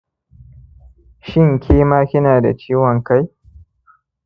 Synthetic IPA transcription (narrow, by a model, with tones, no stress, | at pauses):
ʃɪ˦ŋkʲʰeː˦maː˦kʲɪ˦naː˨da̰˨t͡ʃiː˦wɔ˨ŋka˦j